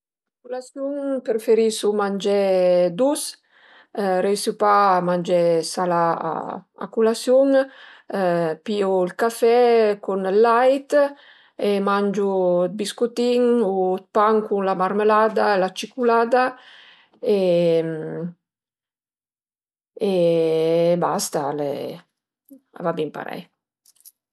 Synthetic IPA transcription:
akulasjuŋpɾfeɾisumand͡ʒɛd̪us | ɾejsupamand͡ʒɛsala̰ | a̰kulasjuŋ | pioilkafɛkunlajt̪ | emand͡ʒubiskut̪iŋot̪̚paŋkunlamarmelad̪aelat͡ʃikulaːd̪a | em | e | bast̪alḛ | a̰vabimpa̰ɾɛ̰j

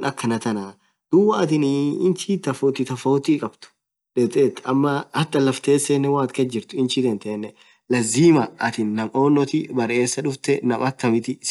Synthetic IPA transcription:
nʔɐkːɐnɐt̪ɐnaː | d̪̥ʊwːɐɐt̪ɪniɪnt͡ʃiːt̪ɐfoːt̪ɪt̪ɐfoːt̪ikʼɐbt̪ʊ̥ | ᶑɛbt̪ʼeːt̪ːɐmːɐɐt̪ːɐlɐft̪e̞ːsːenːɛwaːt̪kɐd͡ʒɪɾt̪ʊɪnt͡ʃit̪ɛnt̪ɛnːɛ | lɐzːiːmɐʔɐt̪ɪnːɐmʔoːnːɔt̪ɪbɐɾʔe̞ːsːɐᶑʊft̪ɛnɐmʔɐt̪ːɐmɪt̪ɪs

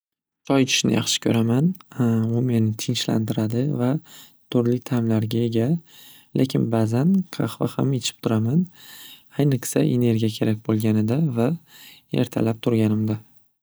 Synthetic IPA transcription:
t͡ʃʰɒjt͡ʃʰɪ̥ʃnɪ̰jɑ̰χʃɪ̥kʲʰɵɾamanʊmenɪt̪ʰɪnt͡ʃla̰nd̪ɪɾad̪ɪva | t̪ʰʊɾlɪt̪ʰamlaɾɡʲae̞ɡʲa | lʔekʲʰɪnbazanqʰɑχvahame̞t͡ʃʰɪ̥p̚t̪ʰʊɾaman | ajnɨqsaʔe̞ne̞ɾɡʲijakʲʰe̞ɾak̚ʲbolˠɡʲanɪd̪avae̞̰ɾt̪ʰa̰lap̚t̪ʰʊɾɡʲanɪmd̪a

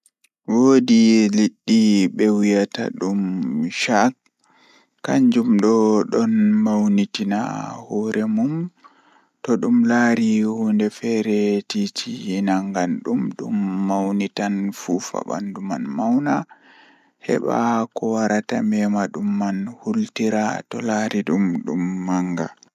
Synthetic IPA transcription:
wodiliɗːiɓɛwijata̰ɗumʃakː | aɲd͡ʒumɗɔɗɔnmawnitina̰hɔːɾʔɛmum | tɔɗumlaɾihundɛfɛɾɛtitʰiinaŋɡanɗumɗṵmːawnitanfufa̰ɓa̰ndumanmawna | hɛ̰ɓa̰kɔwaɾatamɛmaɗumːanhultiɾa̰tɔlaːɾiɗumɗṵmːaŋɡa̰

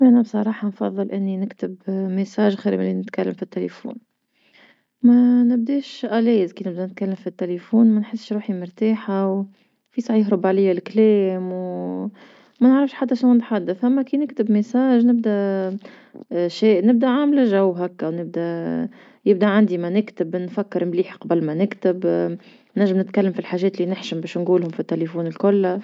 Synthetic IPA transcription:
ʔænæbsˤɑɾˤɑːħɑnfɑ̰ðˤːɨlʔɪnːinɪkt̪ɪbmɪsaːʒxiːɾmɪlinɪt̪kalːamfit̪ːelefṵːn | mænɪb̚d̪eːʃʔæleːjɪzkiːnɪb̚d̪ænɪt̪̚kalːamfit̪ːelefuːnmænħɪsːʃɾuːħimʊɾt̪aːħaw | fisˤɑʕjɪɦɾʊbʕlɪjːalkleːmw | mænəʕɾɪfʃħat̪ːaʃnænɪt̪ħad̪ːaθʔamːækiːnɪkt̪ɪbmɪsaːʒnɪb̚d̪æ | ʃeːʔnɪb̚d̪æʕamlaʒawːɦækːæwnɪb̚d̪æ | jɪb̚d̪aʕand̪imænɪkt̪ɪbnfækːɪɾmliːħqɑbəlmænɪkt̪ɪb | naʒːɪmnɪt̪kalːamfilħaːʒɛːt̪lːinɪħʃɪmbɛːʃnɡuːlhʊmfit̪ːelefuːnɪlkʊlː

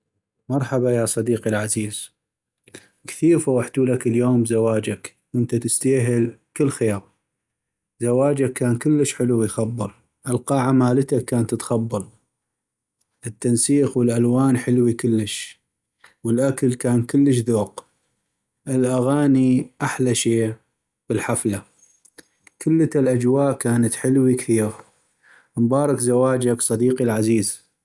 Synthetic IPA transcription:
mɑɾˤħabajaːsˤɑd̪iːqilʕaziːz̥ | kθiːɾfawaħt̪uːlakəljoːmbzawaːd͡ʒak | wʔənt̪at̪ɪst̪aːɦɪlkəlːxeːɾ | zawaːd͡ʒakːaːnkəlːəʃħɪluwijxɑbːɑɾˤ | ʔəlqɑːʕamaːlət̪akːaːnt̪ət̪xɑbːɑlˤ | ʔət̪ːansiːxwɪlʔalwaːnħɪlwikəlːəʃ | wəlʔakalkaːnkəlːəʃðoːq | ʔɪlʔaɣaːniʔaħlaʃeː | b̥əlħafla | kəlːaalʔad͡ʒwaːʔkaːnat̪ħɪlwikθiːɾ | mbɑːɾˤɑkzawaːd͡ʒaksˤɑd̪iːqilʕaziːz

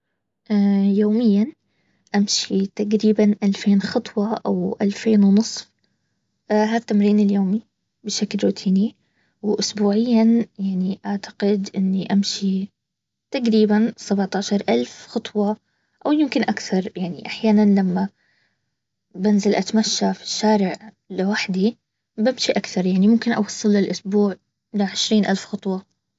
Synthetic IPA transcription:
ʔajoːmɪjːan | ʔamʃit̪aqɾiːbanʔalfeːnxɑt̪ˤwɑʔa̰wʔalfeːnwnɨsˤf | ʔɦaːt̪ːamɾiːnɪljoːmi | bɪʃaklɾuːt̪ʰiːni | wʔʊsbuːʕɪjːanjaʕniʔaʕt̪ḁɡɪd̪ʔɪnːiʔamʃi | t̪aqɾiːbansabʕt̪aːʃɑɾˤʔalfxɑt̪ˤwɑ | ʔawjɪmkɪnʔakθɑɾˤjaʕniʔaħjaːnanlamːa | bɪnzalʔat̪maʃːafi̥ʃːaːɾɪʕ | lɪwaħd̪i | bamʃiʔakθɑɾˤjaʕnimʊmkɪnʔɑ̰wɑsˤːɨlːɪlʔʊsbuːʕ | ɪlaʕɪʃɾiːnʔalfxɑt̪ˤwɑ

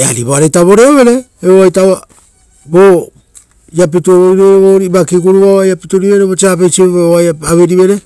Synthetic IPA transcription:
eaɾiβoaɾejtaβo̞ɾeoβe̞ɾe̞eoajtaβa | bo | jap̬ituoβoiɾoβeɾeβoɾibakiɡuɾuβaβajapituɾiβe̞ɾeβot͡ʃiap̬ejt͡ʃiβeβooajaaβeɾiβe̞ɾe

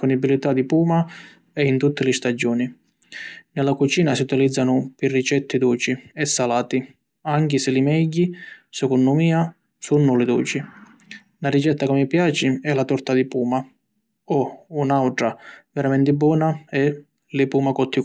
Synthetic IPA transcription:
pɔnibilit̪ad̪ipuːma | ɛint̪ut̪ːɪlɪst̪ad͡ʒːɔːni | nɛlakut͡ʃiːnasiut̪ilid̪zːanʊpɪrːit͡ʃɛt̪ːɪd̪uːt͡ʃiɛsːalaːt̪i | aŋkɪsɪlɪmɛɟːisɛkɔnːʊmiːa | sunːʊlɪd̪uːt͡ʃi | narit͡ʃɛt̪ːakɪmːipjaːt͡ʃɪɛlat̪ɔɾt̪ad̪ipuːma | ɔunawʈɾavɛɾamɛnt̪ɪbːɔːnaɛ | lɪpuːmakɔt̪ʰːi

